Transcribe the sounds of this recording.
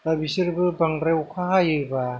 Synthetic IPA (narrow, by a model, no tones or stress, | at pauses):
labisɯɾbɯbaŋɾewkʰaɦajɯba